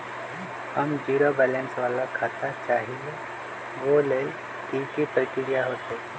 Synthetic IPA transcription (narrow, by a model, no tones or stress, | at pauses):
həmd͡ʒiːɾobɛːlẽnsʋaːlakʰaːt̪at͡ʃaːɦie | ʋoleːl | iːkipɾəkɪɾijaɦoːt̪eː